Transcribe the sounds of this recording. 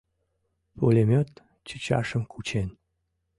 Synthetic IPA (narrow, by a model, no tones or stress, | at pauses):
polʲemʲøt̪ | t͡ɕə̥t͡ɕɑ̰ʃəmkʰut͡ɕen